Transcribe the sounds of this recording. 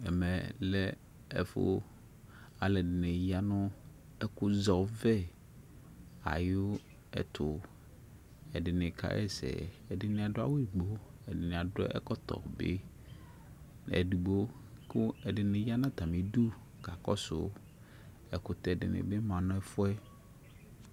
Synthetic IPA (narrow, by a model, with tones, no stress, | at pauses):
ɛ˨mɛ̃˨lɛ˦ | ɛ˨fʊ̰˦ | a˨lɛ˨dɪ˨nɪ̃˨ja˦nʊ̃˦ | ɛ˦kʊ˦zɔ˨vɛ˦ | a̰˨jʊ˦ | ɛ̰˨tʰʊ˨ | ɛ˨dɪ˨nɪ̃˨kʰa̰˦ʔɛ̰˦sɛ̰˨ | ɛ˨dɪ˦nɪ̃˦a˨dʊ˦a˦wʊ˦˨ɡ͡bo˦ɛ˨dɪ˨nɪ̃˨a˨dɛ̰˦ʔɛ̰˦kɔ˦tʰɔ̰˨bɪ̰˦ | n˨ɛ̰˨di˨ɡ͡bo˦ | kʊ˦ɛ˨dɪ˨nɪ̃˨ja˦nã˦˨t̪ʰa˨mɪ̃˨du˦ | ka˨kɔ˦sʊ̰˨ | ɛ˨kʊ˨tɛ˨dɪ̰˨nɪ̰̃˨bɪ˦mã˨nʊ̃˦ɛ˦fʊ˦ɛ˦